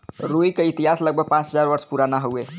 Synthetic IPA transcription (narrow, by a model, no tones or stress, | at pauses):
ɾoikeit̪iɦasləɡ̚bʱəɡ̚pãt͡ʃɦəzaɾʋəɾspuɾanaɦowe